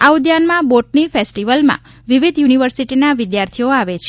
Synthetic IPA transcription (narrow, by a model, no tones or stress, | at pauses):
aud̪janmãboʈnifesʈiʋəlmã̰ | ʋiʋid̪juniʋəɾsiʈinaʋɪd̪jaɾt̪ʰioaʋet͡ʃʰe